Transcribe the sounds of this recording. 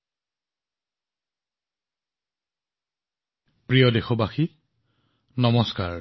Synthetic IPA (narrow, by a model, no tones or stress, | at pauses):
pɹijɔdexɔbaxi | nɔmɔskaɹ